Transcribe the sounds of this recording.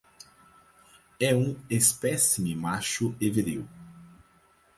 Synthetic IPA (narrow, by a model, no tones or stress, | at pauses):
ɛũespɛsimimaʃʊeveɾiw